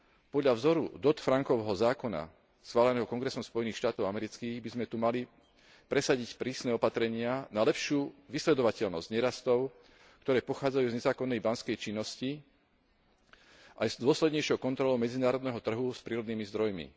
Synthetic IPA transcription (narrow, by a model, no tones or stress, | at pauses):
pɔd̪ʎavzɔɾṵd̪ɔt̪fɾaŋkɔʋɛɦɔzaːkɔna̰ | sxʋaːlɛnɛːɦɔkɔŋɡɾɛsɔmspɔjɛniːxʃt̪aːt̪ɔʊamɛɾit͡skiːɣbizmɛt̪umali | pɾɛsaɟicpɾiːsnɛːɔpat̪ɾɛɲɪanalɛpʃɪuːʋislɛd̪ɔʋacɛʎnɔzɟɲɛɾast̪ɔʊ | kt̪ɔɾɛːpɔxaːd͡zajuːzɲɛzaːkɔnːɛjbanskɛjt͡ʃinːɔsci | ʔajzd̪ʊɔslɛd̪ɲɛjʃɔʊkɔnt̪ɾɔlɔʊmɛd͡zinaːɾɔd̪nɛːɦɔt̪r̩ɦuspɾiːɾɔd̪niːmizd̪ɾɔjmḭ